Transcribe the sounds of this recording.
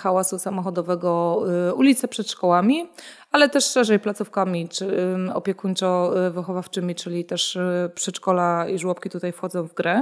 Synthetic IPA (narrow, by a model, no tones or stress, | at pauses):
xawasusamɔxɔd̪ɔvɛɡɔulʲit̪sɛpʂɛt̪ʂkɔwamʲi | alɛt̪ɛʂːɛʐɛjplat̪sufkamʲit͡ʂɔpʲjɛkuɲt͡ʂɔvɘxɔvaft͡ʂɘmʲit͡ʂɘlʲit̪ɛʂpʂɛt͡ʂkɔlaiʐwɔpkʲit̪ut̪ajfxɔd̪zɔ̃w̃vɡɾɛ